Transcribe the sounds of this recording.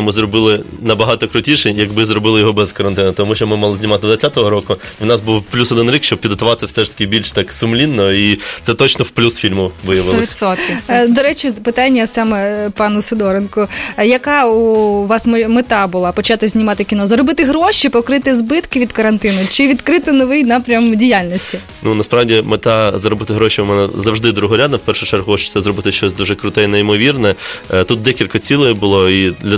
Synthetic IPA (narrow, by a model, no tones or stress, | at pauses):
mɪzrɔbɪlˠɪnɐbɐɦɑt̪ɔkɾʊtʲiʃɛjɐɡbɪzɾɔbɪlˠɪjɔɦɔbɛzkɐɾɐnt̪ɪnʊt̪ɔmuʃɔmɪmalˠɪzʲnʲimɑt̪ɪd̪ʋɐt͡sʲsʲat̪ɔɦɔɾɔkʊ | iwnɑsbuwplʲusɔd̪ɪnɾʲikʃt͡ʃɔb̚pʲid̪ɦɐt̪ʊʋɑt̪swsɛʂt̪ɐ̥kʲɪbʲilʲʃt̪ɑksʊmlʲinːɔit̪sɛt̪ɔt͡ʃnɔwplʲusfʲilʲmʊʋɪjɐʋɪlˠɔsʲɔt̪kɪd̪ɔɾɛt͡ʃʲipɪt̪ɑnʲːɐsɑmɛpɑnʊsɪd̪ɔɾenkʊjɐkɑuʋɑsmmet̪ɑbʊlˠɑpɔt͡ʃɑt̪ɪzʲnʲimɑt̪ɪkʲinɔzɐɾɔbɪt̪ɪɦɾɔʃʲipɔkɾɪt̪ɪzbɪt̪kɪʋʲid̪kɐɾɐnt̪ɪnʊt͡ʃɪʋʲid̪kɾɪt̪ɪnɔʋɪjnɑpɾʲɐmdʲijalʲnʲɔsʲtʲi | nunɐspɾɑʋdʲimet̪ɑzɐɾɔbɪt̪ɪɦɾɔʃiʊmɛnɛzɐwʒd̪ɪd̪ɾuɦɔɾʲad̪nɐwpɛrʃʊt͡ʃɛrɦɔt͡ʃt̪sɛzrɔbɪt̪ɪʃt͡ʃɔsʲd̪uʒɛkɾʊt̪ɛinɛimɔʋʲirnɛt̪ut̪̚d̪ɛkʲilʲkɐt͡sʲilˠɔjibʊlˠɔid̪lʲɐ